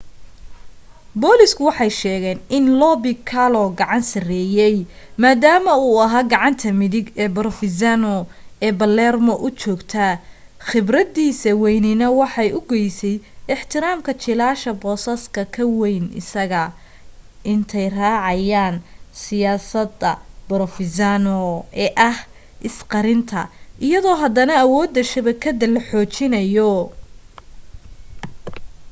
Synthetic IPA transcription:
bɔːlɪskʰʊwɑħɑjʃɛːɣɛːnɪnlɔːbɪkʰalɔɡɑʕɑnsɐrɛːjɛj | maːd̪aːmɐuːɐɦaːɡɑʕɑnt̪ʰɐmɪðɪɡɛːbɐrfɪzanɔɛːbɐlɛːrmɔʔʊt͡ʃɔːɡt̪ʰɐ | χɪbrɐd̪iːsɐwɛjnɪnɐwɑħɑjʊɡɛjsɛjɪħt̪ʰɪɾaːmkʰɐt͡ʃɪlaːʃɐbɔːsɐskʰɐkʰɐwɛjnɪ̰sɐɣɐ | ʔɪnt̪ʰɛjraːʕɑjaːnsɪjaːsɐd̪ɐbɔɾɔfɪzanɔɛːʔɐh | ʔɪsqɑɾɪnt̪ʰɐ̰ʔɪjɐðɔːɦɐd̪ɐnɐːwɔːd̪ːɐʃɐβɛkʰːɐd̪ɐlɐħɔːt͡ʃɪnɐjɔ

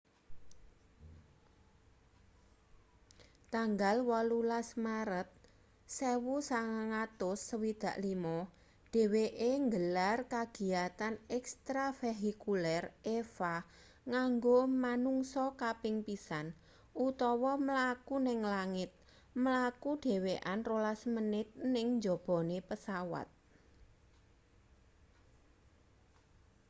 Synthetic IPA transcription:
t̪aŋɡalwɔlulasmaɾət̪̚ | sewusaŋaŋat̪ʊsːəwid̪̥ä̤ʔlimɔ | d̥e̤weʔeŋɡəlarkaɡ̥i̤at̪anɛkst̪ɾafeɦikulɛrʔefa | ŋaŋɡomanuŋsɔkapɪŋpisan | ut̪ɔwɔməlakunɪŋlaŋɪt̪̚ | məlakud̥e̤weʔanrolasmənɪt̪̚nɪŋɲd͡ʒɔ̤b̥ɔ̤nepəsawa̰t̪̚

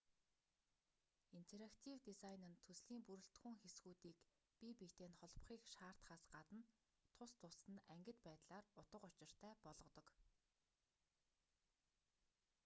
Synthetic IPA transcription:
in̥t̪ʰeɾakt̪ʰiwt̪isajnɘ̆nt̪ʰːɵsɮiːmpuɾɘ̆ɬt̪xŭŋxesɡuːt̪iːk | pipit̪eːnχɔɮp̆χiːkʃaːr̥t̪χaːsɢat̪ə̆n | t̪ʰʊst̪ʰʊsɘ̆næŋɡʲɪ̆t̪pæːt̪ɮaːrʊt̪ə̆qʊt͡ɕɪ̆r̥t̪ʰæːpɔɮʁɞ̆t̪ɞ̆k

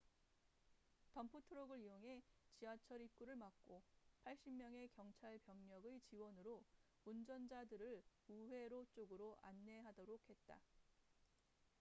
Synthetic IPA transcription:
tʌmpʰutʰoɾoɡɯɾioŋɦe̞t͡ɕiwat͡ɕʰʌɾip̚k͈uɾɯɭmak̚k͈opʰaɭɕ͈imːjʌŋe̞kjʌŋt͡ɕʰaɭpjʌŋɲʌɡɯt͡ɕiwʌnɯɾo | und͡ʑʌnd͡ʑadɯɾɯɭuwe̞ɾot͡ɕ͈oɡɯɾoʔanːe̞ɦadʌɾokʰhe̞t̚t͈a

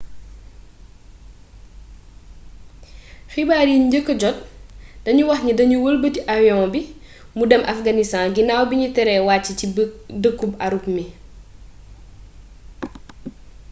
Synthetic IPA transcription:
xibaːɾiɲɟəkːəɟɔt̚d̥ɐɲuwɐxɲidɐɲuwəlbətiʔawjɔ̃bi | mudɛmʔɐfɡɐnistãːnɡinawbiɲutɛɾɛwaːcːicidəkːubaɾupmi

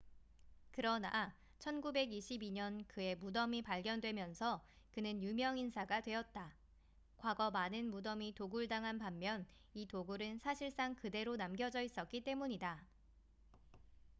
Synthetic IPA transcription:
kɯɾʌna | t͡ɕʰʌnɡube̞ɡiɕʰibiɲʌnkɯe̞mudʌmipaɭɡjʌndwe̞mjʌnsʰʌ | kɯnɯnjumjʌŋinsʰaɡadwe̞ʌt̚t͈a | kwaɡʌmanɯnmudʌmitoɡuɭdaŋɦanpamːjʌn | itoɡuɾɯnsʰaɕʰiɭs͈aŋkɯde̞ɾonamɡjʌd͡ʑʌis͈ʌt̚k͈it͈e̞muɲida

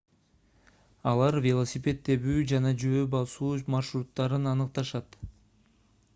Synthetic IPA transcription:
ɑlˠɑɾvʲelˠosʲɪpʲe̞t̪ːe̞βyːd͡ʒɑnɑd͡ʒøːbɑlˠsuːmɑrʃɾut̪ːɑɾɯnɑnɯq̚t̪ɑʃɑt̪

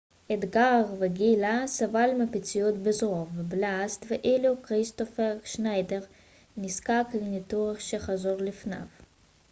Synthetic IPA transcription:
ɛd̪ɡaʁvɪɡilasavalmɪpɪt͡sijut̪bɪzʁɔvblast̪vɪʔelukʁist̪ɔfɛʃnajdɛʁ | niskakɪɡnit̪uʁɪχʃɛχazɔʁlɪfna̰v

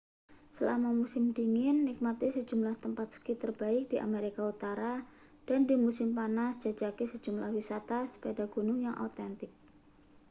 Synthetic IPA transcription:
səlamamusɪmdiŋɪnːɪk̚mat̪ɪsəd͡ʒumlaht̪əmpat̪̚sə̥kit̪ərb̥aɪk̚d̥iʔa̰meɾikaut̪aɾa | d̥andimusɪmpanasd͡ʒ̥ad͡ʒakesə̥d͡ʒumlahwisat̪asə̥pedaɡ̥unʊŋjaŋʔo̰t̪ɛnt̪ɪk̚

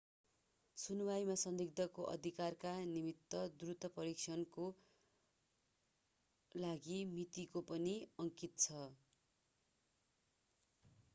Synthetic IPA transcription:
sunwajmasʌnd̪iɡ̚d̪ʱʌkoʔʌ̰d̪ʱikarkanimit̪ːʌd̪urut̪ʌpʌɾik̚t͡ʃʰʌnko | laɡimit̪ikopʌniʌŋkit̪t͡sʰʌ

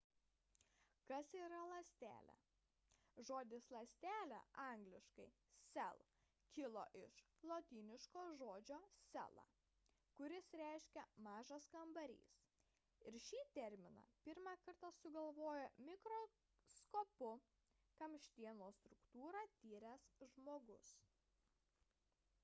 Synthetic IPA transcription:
kɐsiːɾɐlˠɐsʲt̪ʲæ̰ːlʲɛ̰ | ʒoːd̪ʲɪslˠɐsʲt̪ʲæːlʲæ̰ʔɑˑŋɡlʲɪʃkɐɪ | sʲɛ̰lˠ | kʲɪlˠo̰ːʔɪʃ | lˠoːt̪ʲiːnʲɪʃkoːʒoːd͡ʒʲoːsʲɛ̰lˠɐ̰ː | kʊɾʲɪsɾʲæɪʃʲkʲɛmɑːʒɐskɐmbɐɾʲḭːs | ɪɾʃʲiːt̪ʲɛɾʲmʲɪnɑ̰ːpʲɪɾmɑːkɐɾt̪ɐsʊɡɐlˠʋoːjɛmʲɪkɾoː | skoːpʊ | kɐmʲʃʲt̪ʲiɛnoːst̪ɾʊkt̪uːɾɑt̪ʲiːɾʲɛsʒmoːɡʊs

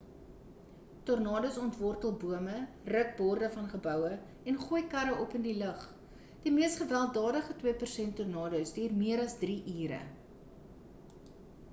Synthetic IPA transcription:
tɔrnɑːdəsɔntvɔrtəlˠbuəmə | rək̚bɔrdəfɐnχəbœwə | ɛnχuəjkɐɾəʔɔpəndiləχ | d̥imiəstχəvælˠdɑːdəχətwiəpərsɛntɔrnɑːdəwsdiːrmiəɾɐsdriʔiːɾə̰

